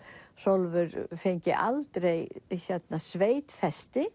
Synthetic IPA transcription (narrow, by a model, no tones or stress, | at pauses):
solvʏɾfejɲcɪ̰ʔalt̪ɾejçɛt̪nasveːjt̪fɛst̪ɪ